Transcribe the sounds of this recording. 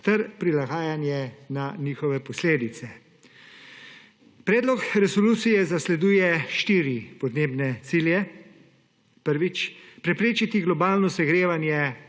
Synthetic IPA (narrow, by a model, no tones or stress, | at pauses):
t̪ɛɾpɾilaɡaːjanjɛnaniːxɔʋɛpɔsleːd̪it̪sɛ | pɾɛːd̪lɔkɾɛsɔluːt̪sijɛzaslɛd̪uːjɛʃt̪iːɾipɔd̪neːbnɛt̪siljɛ | pəɾʋit͡ʃpɾɛpɾeːt͡ʃit̪iɡlɔbaːlnɔsɛɡɾeːʋanjɛ